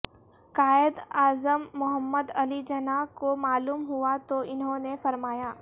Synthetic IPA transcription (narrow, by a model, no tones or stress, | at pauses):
kaːɪd̪aːzəmːʊɦəmːəd̪ɐlid͡ʒɐnakomaːluːmɦuat̪oɪnɦõnefɐɾmaːjaː